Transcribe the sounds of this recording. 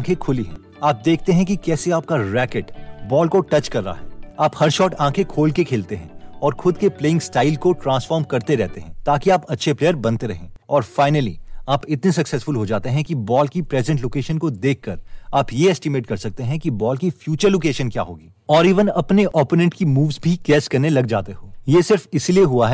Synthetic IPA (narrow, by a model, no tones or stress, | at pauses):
kʰekʰʊliɦɛ̰̃ | aːp̚d̪eːk̚ʰt̪eɦɛ̃kikɛːseaːp̚kaɾɛːkeʈbɔːlkoʈɐt͡ʃkɐɾːəa̰ɦɛ̰ːaːphɐɾʃɔːʈãːkʰekʰoːlkekʰeːlt̪eɦɛ̰̃ɔːɾxʰʊd̪kepleːɪ̃ŋɡsʈaːɪlkoʈɾãːnsfɔːɾmkɐɾt̪eɾɛɦt̪eɦɛ̃ːt̪aːkiaːpɐtːʃʰepleːəɾbɐ̃nt̪eɾɐɦḛ̃ːɔːɾfaːɪnəlḭaːpɪt̪nesɐksɛsfʊlɦod͡ʒaːt̪eɦɛ̃kibɔːlkipɾɛːzə̃ɳʈloːkeːʃənkod̪eːkʰːɐɾaːpjeɛːsʈɪmeːʈkɐɾsɐk̚t̪eɦɛ̃kibɔːlkifjuːt͡ʃəɾloːkeːʃə̃nkja̰ːɦoːɡiːɔːɾiːʋənɐpneʔɔːponɛ̃ʈkimuːʋzbʱikɛːskɐɾnelɐɡd͡ʒa̰ːt̪eɦoːjeːsɪɾfɪsilieɦuaɦɛ